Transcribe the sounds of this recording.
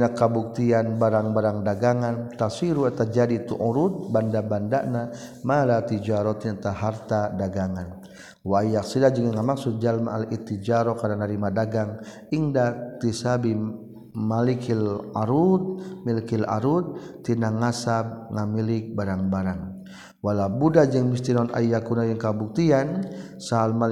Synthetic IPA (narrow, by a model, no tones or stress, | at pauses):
nakːabuk̚t̪ianbaɾaŋbaɾaŋdaɡaŋant̪asiɾuat̪ad͡ʒadit̪uʔɔɾut̪̚bandabandana | malat̪id͡ʒaɾɔt̪inat̪aɦart̪adaɡaŋan | wajak̚sidad͡ʒiŋaŋamaksud͡ʒalma̰alʔit̪id͡ʒaɾɔkadanaɾimadaɡaŋ | iŋdat̪isabi | malikʰilaɾut̪̚milikila̰ɾut̪̚ː | inaŋasamŋamilɪk̚baɾaŋbaɾaŋ | walabudad͡ʒəŋmist̪inɔna̰jakunajəŋkabuk̚t̪ian | saɦalma